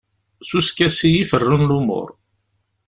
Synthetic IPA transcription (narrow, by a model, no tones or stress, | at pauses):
suskæsijifərːənlumʊ̰ɾ